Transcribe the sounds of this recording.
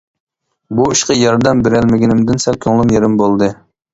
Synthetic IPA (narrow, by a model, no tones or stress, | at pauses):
buiʃqɑjɑɾd̪ɛmbɪɾælmɪɡʲɪnɪmd̪ɪnsælkʲʰøŋlˠɪmjeɾɪmbolˠd̪ɨ